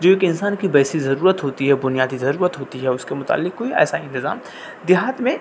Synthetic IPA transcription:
d͡ʒoːeːkɪ̃nsaːnkibɛːsizɐɾuːɾət̪ɦoːt̪iɦɛbʊnijaːd̪izɐɾuːɾət̪ɦoːt̪iɦɛʊskemʊt̪a̰ːlːɪkːoːiɛ̰ːsaɪ̃nt̪ɪza̰ːm | d̪ɪɦaat̪mẽ

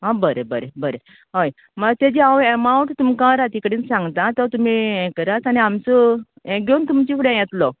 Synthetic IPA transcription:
ɦãbəɾebəɾebəɾe | ɦoj | məɡt̪ẽd͡ʑiawemãũɳʈt̪umkãɾat̪ikɽiːnsãŋɡt̪ãt̪ɔt̪um̤iɛ̃kəɾat͡saniamt͡sɔ | ɛ̃ɡeunt̪umt͡ɕifuɽẽjɛt̪lɔ

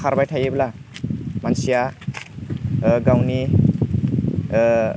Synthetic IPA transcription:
kʰaɾbajtʰajebla | mansija | ɡawni

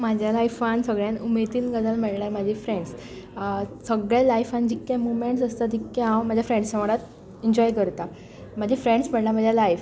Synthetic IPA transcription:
mad͡ʑʱjalajfansəɡɭjãnumet̪iːnɡəd͡zəlmeɽɳaɾmad͡ʑʱifɾẽɳɖs | səɡɭjalajfand͡ʑikːjãmumeɳʈsəst̪at̪ikːaɦãwmad͡ʑʱjafɾẽɳɖsãʋaɽat̪ | iɲd͡ʑɔjkəɾt̪a | m̤ad͡ʑʱifɾeɳɖsməɽlam̤ad͡ʑʱjalajf

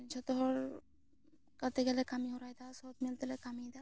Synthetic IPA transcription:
d͡ʒɔt̪ɔɦɔɾ | kɐɾt̪eɡɛlekamiɦoɾajd̪asɔt̪mɪlt̪elekamid̪a

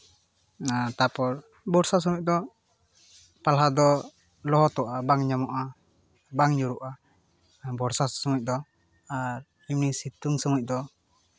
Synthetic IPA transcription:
at̪apɔɾ | bɔɾsas̬ɔmuc̚d̪ɔ | palɦad̪ɔ | lɔɦɔt̪ɔʔabaŋɲɔmɔʔa | baŋɲuɾuʔa | bɔɾsasɔmuc̚ˀd̪ɔ | aɾ | imnisit̪uŋsɔmuc̚d̪ɔ

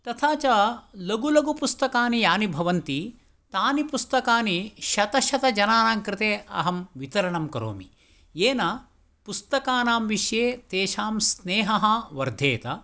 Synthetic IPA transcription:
t̪ɐt̪ʰaːt͡ʃɐlɐɡulɐɡupust̪ɐkaːnijaːnibʱɐʋɐnt̪i | t̪aːnipust̪ɐkaːniʃɐt̪ɐʃɐt̪ɐd͡ʒɐnaːnaːŋkɾɪt̪eːʔɐ̰ɦɐmʋit̪ɐɾɐɳɐmkɐɾo̰ːmḭ | jeːnaː | pust̪ɐkaːnaːmʋiʃjeːt̪eːʃaːmsneːɦɐɦɐʋɐɾd̪ʱeːt̪ɐ

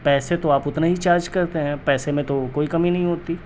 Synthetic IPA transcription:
pɛːset̪oaːpʊt̪naɦit͡ʃaːɾd͡ʒkɐɾt̪eɦɛ̃ːpɛːsemẽt̪okoːikɐminɐɦĩɦoːt̪i

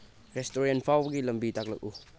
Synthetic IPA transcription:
ɾestoɾenpʰawɡilɐmbitak̚lək̚u

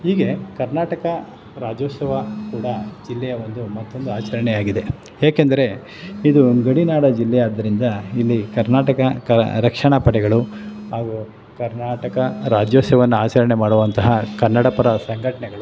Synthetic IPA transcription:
ɦiːɡe̞kɐɾnaːʈɐkɐ | ɾaːd͡ʒoːsɐʋakuːɽɐd͡ʒilːɛjɐo̞nd̪umɐt̪ːo̞nd̪uaːt͡ʃɐɾɐɳɛjaːɡid̪e̞ | jaːkend̪ɐɾe̞ | id̪uɡɐɽinaːɽɐd͡ʒilːɛjaːd̪ːɐɾind̪ɐilːikɐɾnaːʈɐkɐkɐɾɐkʂɐɳɐpɐʈɛɡɐɭuɦaːɡu | kɐɾnaːʈɐkɐɾaːd͡ʒjoːsɐʋɐnːuaːt͡ʃɐɾɐɳemaːɽuʋɐnt̪ɐɦɐkɐɾnːɐɽɐpɐɾɐsɐŋɡʱɐʈɐɳɛɡɐɭu

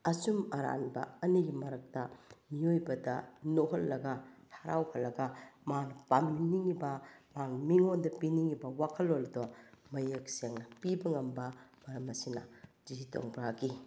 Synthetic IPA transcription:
ɐsumɐɾa̰nbɐ̰ɐniɡimɐɾɐk̚tɐmiojbɐdɐnoɦɐlːɐɡɐtʰaɾa̰whɐlːɐɡɐmaŋnɐpaminiŋibɐmaŋmiŋondɐpiniŋibɐwakʰɐlːoldomɐjek̚seŋnɐpibɐŋɐmbɐmɐɾɐmɐsinɐ̰d͡ʒiito̰ŋbɾaɡi

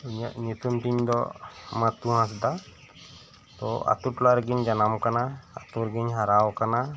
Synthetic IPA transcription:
iɲa̰ʔɲut̪umt̪iɲd̪ɔ̰mat̪uɦãs̬d̪a | t̪ɔ̰a̰t̪uʈlaɾɡiɲd͡ʒanamkanaːt̪uɾɡiɲɦaɾawkana

